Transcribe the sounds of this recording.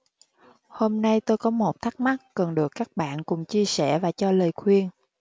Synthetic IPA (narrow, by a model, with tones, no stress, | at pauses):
ho˧mna˧jt̪o˧jkɔ˨˦mo˨˩t̚t̪ʰa˦˥k̚ma˦˥k̚ːə˨˩nɗɨ˨˩əkːaː˦˥k̚ɓa̰ː˧˨nkʊ̰˧˩˨ŋ͡mt͡ɕi˧əsɛ˧˩vaː˨˩t͡ɕɔ˧ləː˨˩jkʰwi˧ən